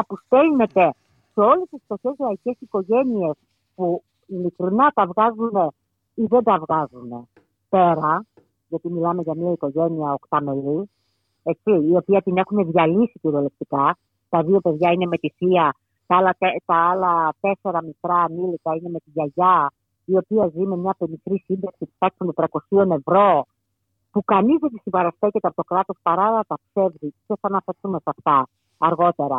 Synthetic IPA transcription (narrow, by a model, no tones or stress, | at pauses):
ɐpust̪e̞lne̞t̪e | seo̞lest̪ist̪o̞çe̞zɾɐice̞siko̞ʝe̞nie̞s | pu | ilikɾinɐt̪ɐvɣɐzune̞ | iðe̞nd̪ɐvɣɐzune̞ | pe̞ɾɐ | ʝɐt̪imilɐme̞ʝɐmiɐiko̞ʝe̞niɐo̞kt̪ɐme̞li | et͡ssiːo̞piɐt̪ine̞xune̞ðʝɐlisiciɾolep̚t̪ikɐ | t̪ɐðio̞pe̞ðʝɐine̞me̞t̪iθiɐ | t̪ɐɐlɐet̪ɐɐlɐt̪e̞se̞ɾɐmit̪ɾɐːnilik̪ɐine̞me̞t̪iʝɐʝɐ | io̞piɐzime̞mɲɐpe̞nixɾisind̪ɐksipu̥t̪ɐksund̪et̪ɾɐko̞sio̞ne̞vɾo̞ | pukɐnizðet̪isibɐɾɐst̪e̞ce̞t̪eɐpo̞t̪okɾɐt̪o̞spɐɾɐlɐt̪ɐpse̞vziceθɐɐnɐfeɾθume̞sɐft̪ɐ | ɐɾɣo̞t̪e̞ɾɐ